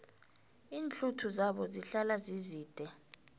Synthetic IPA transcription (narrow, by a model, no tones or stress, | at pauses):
iːnt͡ɬʰutʰuzaɓɔziɬalaziziːd̥ʱɛ